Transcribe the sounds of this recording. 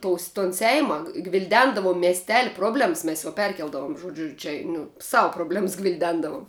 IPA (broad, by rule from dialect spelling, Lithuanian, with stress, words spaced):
ˈtoːʊs toːn ˈsʲɛɪmɐ ɡʋʲɪlʲˈdʲɛndɐʋʊm mʲiɛsʲˈtʲæːlʲɪ ˈproːbʲlʲɛms ˈmʲɛs jɛʊ ˈpʲɛrʲkʲɛlˠdɐʋʊm ʒoːˈd͡ʒʲʊ t͡ʃʲɛ nʊ ˈsɑːʋʊ proːbʲˈlʲɛms ɡʋʲɪlʲˈdʲɛndɐʋʊm